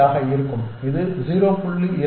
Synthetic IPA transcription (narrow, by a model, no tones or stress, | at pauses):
aːɣɐɪɾɯkːɯm | ɪðɯziːɾoːpʊɭːiɪɾ